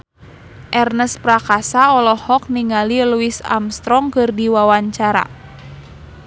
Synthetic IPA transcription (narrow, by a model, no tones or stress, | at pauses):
ʔɛrnəspɾakasaɔlɔhɔk̚niŋaliluisa̰mst̪ɾɔŋkɨrdiwawaɲt͡ʃaɾa̰